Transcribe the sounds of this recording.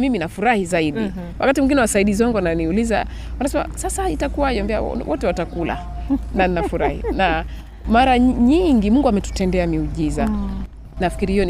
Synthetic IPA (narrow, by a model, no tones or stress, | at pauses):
miminafuɾahizaiɗi | wʔa̰katimuŋɡinɛwasaiɗizɔŋɡɔananiuliza̰ | wanasɛma̰sasahaitakuwaiɔmbɛa̰wʔɔtɛwatakula̰ | naninafuɾahḭna | maɾaɲiŋɡimuŋɡuamɛtu̥tɛndɛamiuʄiza | nafi̥kiɾihijɔn